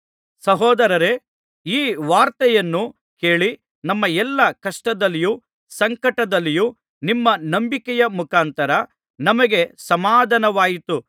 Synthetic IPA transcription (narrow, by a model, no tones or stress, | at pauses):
sɐɦɔːd̪ɐɾɐɾe̞ | iːʋaːɾt̪ɐjɐnːu | ke̞ːɭi | nɐmːɐɛlːɐkɐʂʈɐd̪ɐlːiju | sɐŋkɐʈɐd̪ɐlːiju | nimːɐnɐmbikɛjɐmukaːnt̪ɐɾɐ | nɐmɐɡe̞sɐmaːd̪ʱɐnɐʋaːjit̪u